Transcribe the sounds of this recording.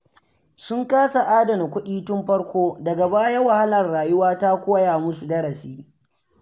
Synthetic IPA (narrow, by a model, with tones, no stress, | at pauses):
sʊ˦ŋkaː˦sa˨ʔaː˦dɐ˨na˨kʷʊ˦ɗiː˦tʊ˦mɸɐ˦ɽkʷoː˦dɐ˨ɡa˨baː˦jɐ˦wa˨ha˦lɐ˨rːaː˨jʊ˦waː˦ta˦kʷoː˦jaː˨mʊ˦su˨dɐ˦ɽɐ˨siː˦